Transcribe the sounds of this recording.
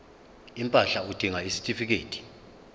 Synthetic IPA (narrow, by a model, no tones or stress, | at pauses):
impʼaɬaud̥ʱiŋaisi̥tʼifik̬eːtʰʼi̥